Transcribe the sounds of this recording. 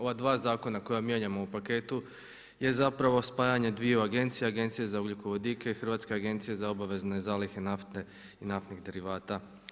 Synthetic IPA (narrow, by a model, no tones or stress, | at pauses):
o̞ʋad̪ʋaːzaːko̞nako̞jamjeɲamo̞upake̞t̪u | je̞zapɾaʋo̞spaːjaɲe̞d̪ʋijuaɡe̞nt̪sijeaɡe̞nt̪sijezaoɡlʲukoʋo̞d̪ikeixr̩ʋaːt̪ske̞aɡe̞nt̪sije̞zao̞baʋe̞zne̞zaːlixe̞naft̪e | inaft̪niɣd̪e̞ɾiʋaːt̪a